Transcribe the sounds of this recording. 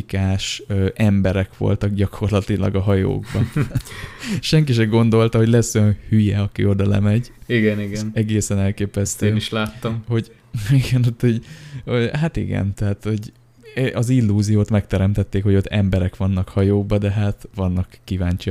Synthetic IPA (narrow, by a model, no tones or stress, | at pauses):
kaːʃøʔɛmbɛɾɛkʋo̰lt̪ɒɡɟɒkʰo̞rlɒt̪ilɒ̰ɡɒɦɒjo̰ːɡbɒ | ʃɛŋkiʃɛɡo̞nd̪o̞lt̪ɒɦo̞ɟlɛsːojɒnhyjɛɒkḭo̞d̪ɒlɛ̰mɛɟiɡɛniɡɛnɛɡeːsɛnɛlkeːpɛst̪eːniʃlaːt̪ːɒmho̞ɟ | iɡɛnut̪hoɟoɦat̪ḭɡɛ̰nt̪ɛɦaːt̪ho̞ɟ | ʔɒzilːuːzijoːt̪mɛk̚t̪ɛɾɛmt̪ɛt̪ːeːkho̞ɟo̞t̪ːɛmbɛɾɛkʋɒnːɒkhɒjoːɡ̚bɒd̪ɛɦaːt̪ʋɒnːɒkːivaːɲt͡ʃi